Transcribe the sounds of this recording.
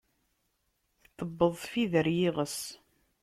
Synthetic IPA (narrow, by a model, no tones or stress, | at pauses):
θt̪əbːəðˤfiðəɾjiʁəs